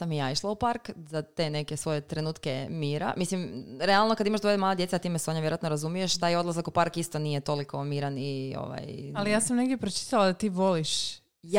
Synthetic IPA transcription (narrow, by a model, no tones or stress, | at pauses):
samijaːiʃlˠaupaɾkzat̪e̞ne̞kesʋo̞jet̪ɾe̞nuːt̪kemiːɾa̰mislimɾealˠnokad̪imaʃd̪ojd̪maːlˠad̪je̞t̪at̪iːmeseo̞ɲaʋjeɾoat̪noɾazumije̞ʃt̪aːjo̞d̪lˠazakupaɾkist̪onijet̪o̞likʰo̞miːɾanio̞̰ʋa̰jalijaːsamneɡd̪ʲjepɾot͡ʃi̥t̪alad̪at̪iːʋo̞liʃ